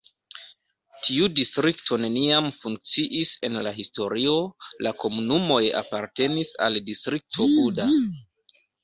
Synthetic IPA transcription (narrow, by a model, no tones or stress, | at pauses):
tʰiudistɾiktʰo̞ne̞niamfuŋk̚t͡siʔise̞nlaɦisto̞ɾio̞lako̞munumo̞ja̰paɾte̞nisa̰ldistɾik̚tʰo̞ʔuda